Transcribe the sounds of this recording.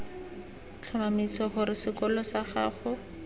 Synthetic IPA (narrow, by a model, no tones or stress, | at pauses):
t͡ɬʰɔmamit͡sɔχʊɾɪsɪkɔlɔsaχa̰ːχʊ